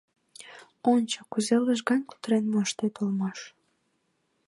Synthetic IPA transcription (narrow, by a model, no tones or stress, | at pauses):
ont͡ɕo̥kuzeləʃ̬ɣɑnʲku̥t̪ɾenmoʃt̪et̪olmɑʃ